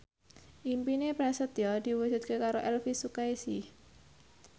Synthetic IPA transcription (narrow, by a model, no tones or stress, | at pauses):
ʔimpinepɾasət̪jɔd̪̥i̤wu̥ʒ̥ṳt̪̚kekaɾoʔɛlfisukaesi